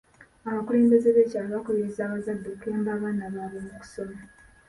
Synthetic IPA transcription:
aβakule̞ːmbe̞ze̞βeːcaːβakolezaːβazadːe̞ke̞ːmbaːβaːnaβaβemuku̥so̞ma

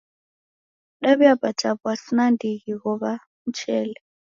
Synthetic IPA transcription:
ɗaβiabʼḁt͡ʃʼaβɔasinandiɣiɣɔβa | m̩t͡ʃʰɛːlɛ

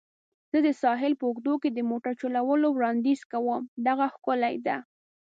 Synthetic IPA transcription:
z̥əd̪əsɑɦɪlpəʊɡd̪oked̪əmoʈaɾt͡ʃolawəlowɾɑnd̪iz̥kawəmd̪aɣaxkʊlajd̪a

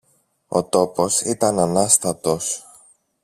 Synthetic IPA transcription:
o̞̰t̪o̞po̞sit̪ɐnɐnɐst̪ɐt̪o̞s

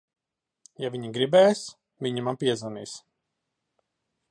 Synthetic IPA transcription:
javʲiɲiɡɾibɛːjs | vʲiɲimanpiɛzanḭːs

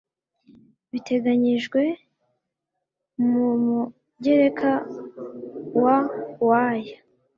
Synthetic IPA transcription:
βite̞ɡaɲiʒɡwe̞ | mumu | ɟe̞ɾe̞kʰa | wawaːja

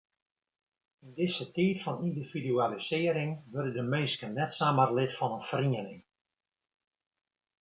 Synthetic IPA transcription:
ɪndɪsətiːtfɔnindividyalisɪːəɾɪŋʋørdədəmɪnskənnːɛtsaːmərlɪtfɑnənfriənɪŋ

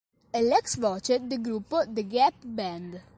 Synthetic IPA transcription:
ɛlɛksvɔt͡ʃet̪̚d̪eɡɾupːod̪eɡɛpbɛnd̪

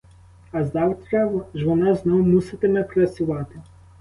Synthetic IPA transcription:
ɐzɑwt̪ɾʲɐʋʒʋɔnɑznɔɦʊmusɪt̪emɛpɾɐt͡sʲʊʋɑt̪ɪ

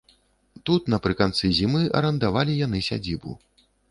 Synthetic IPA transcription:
t̪ut̪nɐpɾɨkant̪sɨzʲimɨʔɐ̰ɾɐnd̪avalʲijan̪ɨsʲa̰d͡zʲibṵ

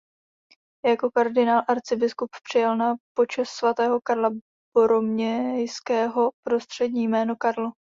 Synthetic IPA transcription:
jako̞kaɾdɪnaːlʔaɾt͡sɪbɪskuppr̝̥ɪjɛlnapo̞t͡ʃɛssvat̪ɛːɦo̞kaɾla | boɾomɲɛjskɛːɦo̞pɾo̞st̪r̥ɛdɲiːjmɛːnokaɾlo

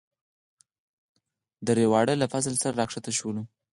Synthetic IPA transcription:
d̪əɾewɑɽəlafas̬əlsaɾaɾɑkʂat̪aʃwəlu

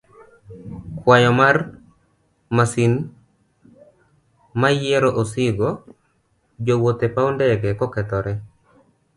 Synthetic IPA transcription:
kwajɔmar | masin | majɛɾɔʔosɪɡo | d͡ʒowot̪epaondɛɡɛkɔkɛt̪ɔɾɛ

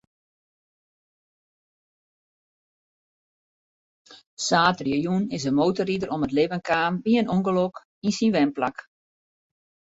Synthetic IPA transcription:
saːtrjəjunɪsəmowtəridəɾɔmətlɪʋənkaːmbiənoŋɡəlok | insinʋɛmplak

